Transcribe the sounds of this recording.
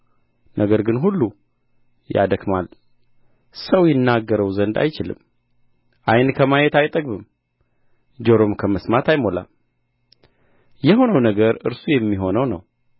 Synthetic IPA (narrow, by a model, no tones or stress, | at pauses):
nʔəɡəɾɡɨnɦulːu | ja̰d̪əkmal | səwjɪnːaɡːəɾəwzənd̪a̰jt͡ʃɪlɨ̰m | ʔajnkʰəmajɛt̪ajt̪ʼəɡbɨm | d͡ʒoɾo̞mkʰəməsmat̪ʰajmo̞la̰m | jɛɦo̞nəwnəɡəɾʔɨ̰ɾsujɛmːiɦo̞nəwnə̰w